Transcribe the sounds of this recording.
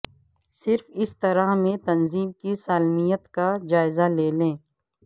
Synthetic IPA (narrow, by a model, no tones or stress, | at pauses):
sɪɾfɪst̪ɐɾaɦmẽt̪ɐnziːmkisaːlmijət̪kad͡ʒaːɪzaleːlẽː